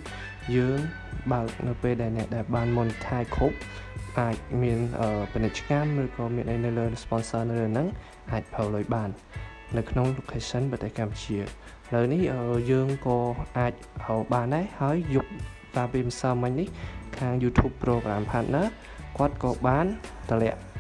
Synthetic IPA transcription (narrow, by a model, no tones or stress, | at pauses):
jəːŋ | ɓaək̚nɨwpeːlɗaɛlnɛ̆əʔɗaɛlɓaːnmunt̪ʰaɛkʰup̚ | ʔaːc̚miənʔəːpinɨc̚t͡ɕə̥kamrɨːkɑːmiənʔəjnɨwləːspɑnsəːnɨwləːnɨŋ | ʔaːc̚pʰəːwluəjɓaːnː | ɨwkʰnoŋlukʰheːsənprɔt̪ehkamput͡ɕiə | hləwnihʔəːjəːŋkɑːʔaːc̚ʔəːɓaːnɗaɛhaəjːup̚ | raːpiəmisaːəmɨɲnihkʰaːŋjuːt̪ʰjuːpːrɔːɡraːmpʰaːt̪̚naː | kŏət̪̚kɑːɓaːnt̪əlɛ̆əʔ